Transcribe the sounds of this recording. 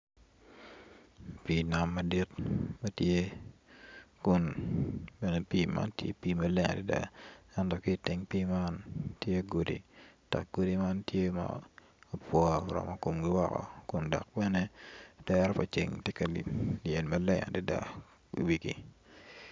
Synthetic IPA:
pina˨mːa˨di˦tmɐ˦tje˦ | kʊ˦n | bɛ˨ne˨piː˦ma̰˦ntjḛ˦piː˦ma˨lɛ˦ŋa̰˨di˦da̰˨ɛ˦ntɔ˨kɪ˦˨tɪ˨ŋpi˦ma˦ntje˦ɡo˨dḭ˨ta̰˨k̚ɡo˦di˦ma˦ntje˦ma̰˨ | pwɔ˦ɾɔ̰˨mɔ˨ko˨mɡɪ˦wɔ˦kɔ̰˨kʊ˨ndɔ̰˨k̚bɛ˦ne˦d̥ɛɾɔ˦pa˨t͡ʃḛ˨ŋtjɛ˦ka˨lḭ˨li˨e˨nmɐ˦lɛ˦ŋa̰˨di˦da̰˦ | ḭ˨wi˨kḭ˦

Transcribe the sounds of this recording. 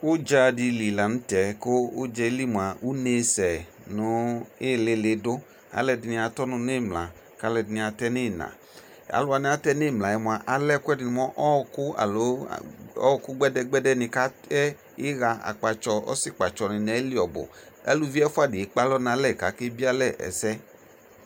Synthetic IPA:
kʊ˦d͡ʒa˧di˧li˨la˨nũ˦tɛ˨˦koː˦d͡ʒɛ˧˦li˦˨mu˨a˨u˦ne˧sɛ˨ | nʊ˨˧˦e˦˨le˧le˧dʊ˦ | a̰˨˦lɛ˧di˧nĩ˧a˧tɔ˦nu˧ne˦˨mla̰˨ | ka˦lɛ˧˨dɪ˨ni˧a˧tɛ˦ne˦˨nã̰˨ | a̰˨lʊ˧˦a˧nĩ˧˦a˧tɛ˦ne˦˨mla˨ɛ˨˧mu˧a˨ʔa˧lɛ˦kʷɛ˦dɪ˨ni˧mɔ˦ʔɔ˦˧kʊ˦a̰˨lo̰˨˦˨ | ɔ̰˦˧kʊ˦ɡ͡bɛ˦dɛ˦ɡ͡bɛ˦dɛ˦nɪ̃˧ka˦ɛ˦ | ɪ˦ɣa˧a̰˨k͡pa˧t͡ʃɔ˧ɔ̰˦si˦˨k͡pa˨t͡ʃɔ˨nĩ˧nɛ˨˦li˦ɔ˨bʊ̰˨ | ɛ̰˦lu˧˦vi˦ɛ˦fu˦a˦˨di˨e˨˦k͡pa˦lɔ˦nã˧˦lɛ˦˨ka˨˦ke˦bi˦a˦lɛ˦˨ʔɛ̰˨sɛ˦

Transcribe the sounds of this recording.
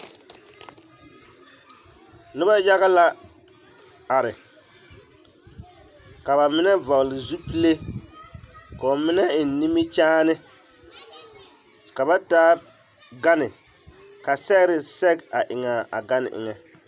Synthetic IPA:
nɨ˦ba˦ja˦ɣa˦la˦ | a˨ɾɪ˨ | ka˨ba˨mɪ˦nɛ˦va˨lɪ˨zu˦pi˦le˦ | ka˨o˨mɪ˦nɛ˦ɪ˨n˨˦ni˦mi˦t͡ʃaː˦nɨ˦ | ka˨ba˦taː˦ | ɡa˦nɪ˨ | ka˨sɛ˦ɾɪ˦sɛ˦ka˨ʔɪ˨ŋa˨a̰˨ɡa˦nɪ̰˨ʔɪ̰˨ŋɛ˨

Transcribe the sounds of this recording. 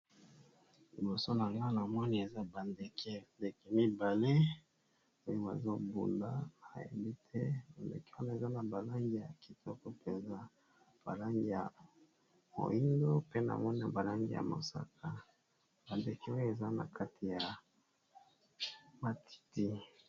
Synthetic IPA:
li˨bo˨so˦na˨ŋɡa˦na˨mɔ˦ni˦e˨za˦ba˨nde˨kʰɛ˨nde˨kɛ˨mi˦ba˨le˦ | o˦jo˦ba̰˨zo˦bṵ˨na˦na˨jḛ˨bi˦tʰɛ˦ba˨ndḛ˨kɛ̥˦na˨e˨za˦na˨ba˨la˦ŋɡi˦ja˨ki̥˨tʰɔ˦kɔ˦pe˨nza˦ | b̥a̰˨la˦ŋɡi˦ja˨ | mo̰˨i˦ndo˦pe˦na̰˨mɔ˦ni˦a˨ba˨la˦ŋɡḭ˦ja̰˨mo̰˨sa̰˦kʰa˦ | ba˨nde˨kɛ˦o˦jo˦e˨za˦na̰˨ka˦tʰi˨ja˨ | ma˨tʰi̥˨ti˦

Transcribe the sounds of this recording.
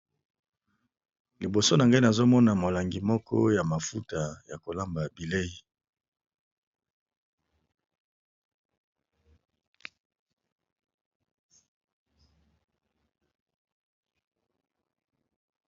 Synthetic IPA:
li˨bo˨so˦na˨ŋɡa˦na˨zo˦mɔ˦na˨mo˨la˨ŋɡi˨mɔ˦kʰɔ̰˦ja˨ma˨fu˦ta˨ja˨ko˨la˦mba˨bi˨le˦i˦

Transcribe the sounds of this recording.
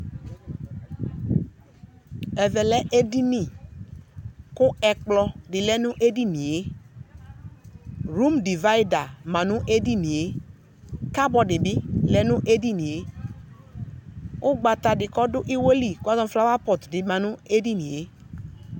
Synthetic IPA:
ɛ˨vɛ˨lɛ˦ʔe˦di˦nĩ˨ | kʊ˦ɛ˨k͡plɔ˦dɪ˨lɛ˦nʊ˦ʔe˦di˦ni˨e˦ | ɾu˦mdi˨va˦i˦da˨mã˨nʊ̃˦ʔe˦di˦nĩ˨e˦ | ka˦bɔ˨dɪ˨bɪ˦lɛ˨nʊ̃˦ʔe˦di˦nĩ˨e˦ | ʊ˦ɡ͡ba˨t̪a˨dɪ˨kɔ˦dʊ˦ʔi˦wo˦li˨ku˦a˦zɔ˦fla˦wa˦pɔ˨tdɪ˨mã˨nʊ˦e˦di˦nĩ˨e˨˦

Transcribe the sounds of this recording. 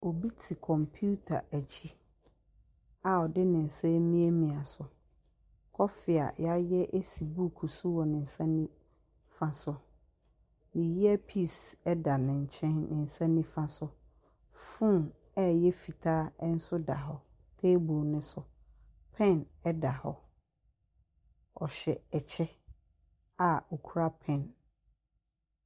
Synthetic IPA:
o˨bi˦tʰi˨kʰɔ̃˨mpʰju˦tʰa̰˨ʔæ˨t͡ɕʰi˦ | a˨ɔ˨dɪ˦nɪ̃˨n̩˨sɛ̃˦mĩ˦æ˦mĩ˨a˨sʊ˨ | kʰɔ˦fɪ˨a̰˨ja˦jɛ˦ʔe˦si˨bu˦kʰu˨su˦wɔ˨nɪ̃˨n̩˨sã˦nĩ˦ | fã˦sʊ˦ | nĩ˨ji˦ɛ˦pʰi˦˨sɛ˦da˨nɪ̃˨ɲ̩˨t͡ɕʰɛ̃˦nnɪ̃˨n̩˨sã˦nĩ˦fã˦sʊ˦ | fũ˦ | ɛ˦jɛ˦fi˨tʰaː˦n̩˦sʊ˦da̰˨ɦɔ˨˦ | tʰeː˦bo˨nʊ̃˦sʊ˨ | pʰɛ̃˦˨nɛ˦da˨hɔ˦ | ɔ˨ɕɛ˨ɛ˨t͡ɕʰɛ˦ | a˨o˨kʰu˦ɾa˦pʰɛ̃˦˨n

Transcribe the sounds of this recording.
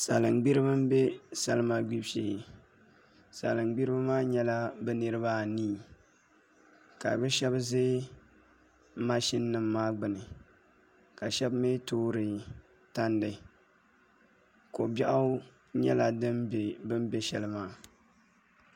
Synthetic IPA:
sa˨lɨ˨ŋɡ͡bi˦ɾɨ˦bɨ˦m̩˦be˦sa˦lɨ˦ma˦ɡ͡bi˦bʃi˨ | sa̰˨lɨ˨ŋɡ͡bi˦ɾɨ˦ba˦maː˦ɲɛ˦la˦bɨ˦nɨ˦ɾɨ˦baː˦niː˦˨ | ka˨bɛ˦ʃɛ˦bzeː˦ | ma˦ʃi˦nːɨ˨mːaː˦ɡ͡bɨ˨nɨ˨ | ka˨ʃɛ˦bme˦toː˦ɾɨ˨ | ta˦n˦dɨ˨ | ko˨bɛ˦ʔa˦ | ɲɛ˦la˨dɨ˦mbe˨bɨ˦m˦bɛ˦ʃɛ˦lɨ˦maː˦

